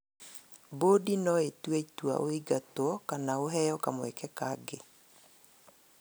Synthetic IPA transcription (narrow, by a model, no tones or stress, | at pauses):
bodinɔetwetwa̰ʔoiɡatwɔkanaoɦɛjɔkamwɛkɛkaːɡe